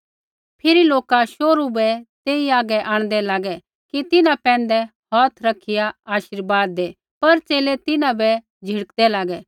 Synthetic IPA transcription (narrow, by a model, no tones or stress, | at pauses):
pʰɪɾiloːkaʃoːɾubɛt̪eːiaːɡɛʔaːɽ̃d̪ɛlaːɡɛ | kit̪ɪnãpɛ̃ːn̆d̪ɛhɔːt̪ʰɾɐkʰɪjaaːʃɪɾbaːd̪ːeː | pɐɾt͡ʃeːlet̪ɪnãbɛ | d͡ʒʱɪɽəkd̪ɛlaːɡɛ